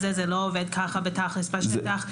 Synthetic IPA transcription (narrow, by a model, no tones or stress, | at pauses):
zɛzɛloːved̪̚kʰaχabet̪aχlesbaʃtaχ